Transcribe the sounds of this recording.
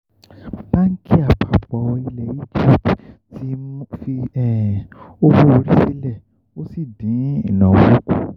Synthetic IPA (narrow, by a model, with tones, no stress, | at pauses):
bã˦ŋ̩˦kʰi˦a˨pʰa˨ɡ͡bɔ˨ɔ˧i˧lɛ˨i˦d͡ʒi˦˨pttʰi˦fi˧ɛ˨o˦bo˦˧o˧ɾi˦si˧lɛ˦˨ | o˦si˦˨dĩ˨˦i˨nɔ̃˨wo˦ku˦˨